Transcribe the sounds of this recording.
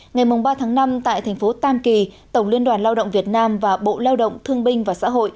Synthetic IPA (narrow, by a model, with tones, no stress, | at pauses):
ŋa˨˩jmʊ˨˩ŋ͡mɓaː˧t̪ʰaː˨˦ŋna˧mt̪a̰ː˧˨jt̪ʰɛ˨˩jŋ̟fo˨˦t̪aː˧mki˨˩t̪ə˧˩wli˧ənɗwaː˨˩nlaː˧wɗə̰˧˨ŋ͡mvi˨˩ət̚naː˧mvaː˨˩ɓo̰˧˨laː˧wɗə̰˧˨wŋ͡mt̪ʰɨ˧əŋɓï˧ŋ̟vaː˨˩sa̰ː˧˥ɦo̰˧˨j